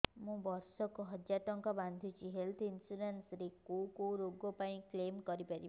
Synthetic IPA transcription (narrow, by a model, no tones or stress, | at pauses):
mũbɔɾsɔkuɦɔd͡ʒaʈɔŋkɔband̪ʱut͡ʃʰiɦelt̪ʰinsuɾensɾekokowɾoɡɔpaĩklemkɔɾipaɾi